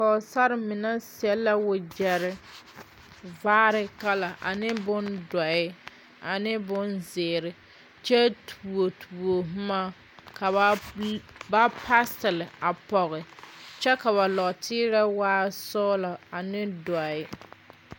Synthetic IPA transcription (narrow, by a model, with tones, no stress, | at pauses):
ka˨ʊ˨sa˦ɾɪ˨mɪ˨na˦sɛ˨lːa˦wʊ˨d͡ʒɛ˨ɾɪ˨ | vaː˦ɾɪ˨ka˦la˨ʔa̰˨nɪ˦bʊ˦ndɔ˨ɪ˦ | a˨nɪ˦bʊ˦nzɪː˨ɾɪ˨ | t͡ʃɛ˦tʰu˨o˨tʰu˨o˨ɦ̩˦ma˦ | ka˨ba˦ | ba˦pʰa˦stɪ˨lɪ˨a˨pɔ˨ɣɪ˨t͡ʃɛ˦ka˨βa˨lɔ˨tʰɪː˦ɾɛ˦waː˦sɔː˦la˨a˨nɪ˦dɔ˨ɪ˦